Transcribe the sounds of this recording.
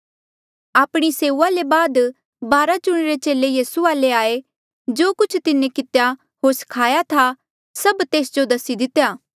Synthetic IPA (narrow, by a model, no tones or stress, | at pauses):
aːpɽ̃iseːuːalebaːd̪ | baːɾad͡ʒʊɽ̃ɾet͡ʃeːlejiːsuaːleaːe | d͡ʒoːkʊt͡ʃʰt̪ɪnẽkɪt̪ja | ɦoːɾsɐ̥kʰaːjat̪ʰa | sɐbt̪eːsd͡ʒod̪ɐsid̪ɪt̪jaː